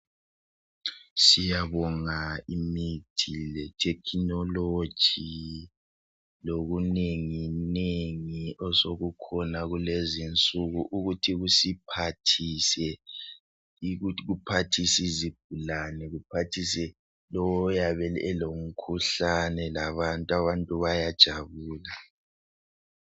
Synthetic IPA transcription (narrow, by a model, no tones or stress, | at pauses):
sijaβɔŋaimitʰilɛtʰɛkʰinɔlo̥ʒ̥ʱi | loɣuneŋineŋiɔsoɣukʰɔnaɣulezint͡sʼuɣuʔuɣutʰiɣusipʰatʰisɛ | iɣuɣupʰatʰisizib̥̚ʱulanɛɣupʰatʰisɛ | lɔwɔjaβɛlɛlom̩kʰuɬanɛlaβantʼuaβantʼuβajad̥ʒ̥ʱaβuːla